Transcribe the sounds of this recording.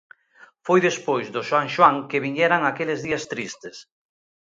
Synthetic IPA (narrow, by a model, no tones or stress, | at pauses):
fojðespojzðʊʃwaŋʃwaŋkɪβiɲɛɾaŋakelɪzðiɐst̪ɾist̪ɪs